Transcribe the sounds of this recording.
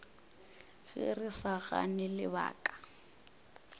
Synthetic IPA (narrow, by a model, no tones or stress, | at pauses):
ɣɪ̰rɪsaɣa̰nɪlɪ̰ba̰ːkʼḁ